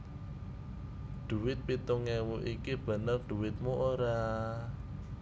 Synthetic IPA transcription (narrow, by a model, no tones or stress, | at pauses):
ɖ̪̥ṳwɪt̪̚pit̪ʊŋɛwuʔikib̥ə̤nərd̪̥ṳwɪt̪̚muʔoɾa